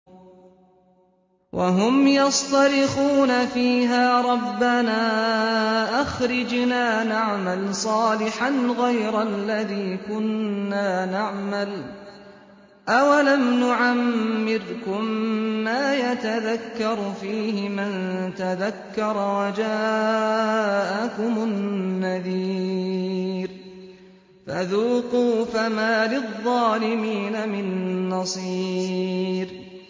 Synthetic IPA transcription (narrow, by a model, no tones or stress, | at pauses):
wʔaɦʊmjɑsˤt̪ɑɾɪxuːnafiːɦaːɾˤɑbːanaː | ʔaxɾɪd͡ʒnaːnaʕmalsˤɑːlɪħanɣajɾalːaðiːkʊnːaːnaʕmal | ʔawalamnʊʕamːɪɾkʊmːaːjat̪aðakːɑɾˤfiːɦɪmant̪aðakːɑɾˤwad͡ʒaː | ʔakʊmʊnːaðiː | ɾ | faðuːquːfamaːlɪðˤːɑːlɪmiːnamɪnːɑsˤiː | ɾ